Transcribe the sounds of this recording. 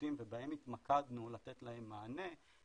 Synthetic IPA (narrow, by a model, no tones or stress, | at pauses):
timvebaemit̪makad̪nulat̪et̪lahe̞mːaːne̞